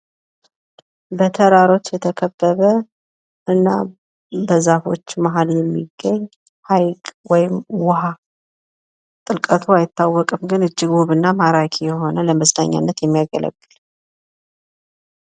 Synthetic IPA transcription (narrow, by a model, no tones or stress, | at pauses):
bət̪ʰəɾaɾo̞t͡ʃːjɛt̪ʰəkʰəbːəβə | ʔɨnːa̰ | bəzafo̞t͡ʃːmaɦaljɛmːḭɡːəɲː | hajkʼwɔjɪmwʊɦa | t̪ʼɨlkʼət̪ʰuajɪt̪ːawːɔkʼɨmɡɨnɨd͡ʒːɪɡoβɨnːamaɾakʰijɛɦo̞nələməsna̰ɲːa̰nːət̪jɛmːijaɡələ̰ɡːɨl